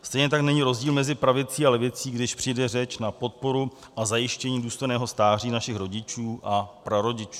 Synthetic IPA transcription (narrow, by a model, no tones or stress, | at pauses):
st̪ɛjɲɛt̪aknɛɲiːɾo̞zɟiːlmɛzɪpɾavɪt͡siːalɛvɪt͡siːɡdɪʃpr̥ijdɛrɛt͡ʃnapo̞t̪̚po̞ɾu | ʔazajɪʃcɛɲiːduːst̪o̞jnɛːɦo̞st̪aːr̝iːnaʃɪxɾo̞ɟɪt͡ʃuːʔapɾaɾo̞ɟɪt͡ʃu̥